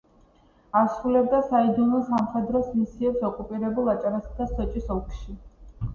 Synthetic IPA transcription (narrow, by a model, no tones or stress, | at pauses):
asɾulɛb̚d̪asaid̪ɔnɔsamχɛd̪ɾɔsmisiɛpsɔkʼupʼiɾɛbulˠat͡ʃʼaɾasad̪asɔt͡ʃʼisɔlˠkʰʃi